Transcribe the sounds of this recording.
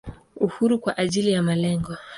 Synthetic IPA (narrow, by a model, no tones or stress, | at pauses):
uhuɾukwaʔaʄilijamalɛŋɡɔ